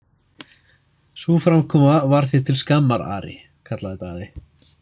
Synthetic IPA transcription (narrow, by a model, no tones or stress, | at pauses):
sufɾamkʰɔːmavaɾ̥θɪt̪ʰɪlskamːaɾa̰ːɾɪ̰ | kʰat̪laðɪt̪aɣðɪ